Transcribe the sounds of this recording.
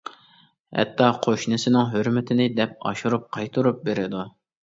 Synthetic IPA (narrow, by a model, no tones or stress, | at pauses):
hɛ̰t̪ːɑqʰoʃnɨsɪnɪŋɦøɾmɪt̪ʰɪnɪd̪ɛp̚ɑ̰ʃuɾup̚qʰɑjt̪ʰuɾup̚beɾɪd̪u